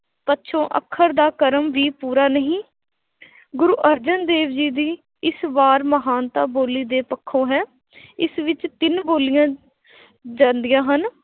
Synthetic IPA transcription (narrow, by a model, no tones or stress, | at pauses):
pətːʃʰõːʔə̰kʰːəɾd̪aːkəɾəmʋiːpuːɾaːnəɦĩː | ɡʊɾuːʔəɾd͡ʒənd̪eːʋd͡ʒiːd̪iː | ɪsbaːɾməɦaːnt̪aːboːliːd̪eːpəkʰːõːɦɛː | ɪsʋɪt͡ʃt̪ɪnboːlijãː | d͡ʒãːnd̪ijãːɦən